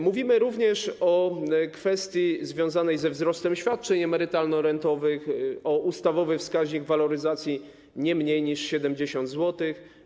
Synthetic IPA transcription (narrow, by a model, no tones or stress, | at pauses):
muvʲimɘɾuvɲɛʂɔkfɛst̪ʲjizvʲjɔ̃w̃zanɛjzɛvzɾɔst̪ɛmɕfʲjat̪̚t͡ʂɛɲɛmɛɾɘt̪alnɔɾɛnt̪ɔvɘxɔʔust̪avɔvɘfskaʑɲiɡvalɔɾɘzat̪sʲji | ɲɛmɲejɲiʂɕɛd̪ɛmd͡ʑeɕɔ̃nd̪zwɔt̪ɘx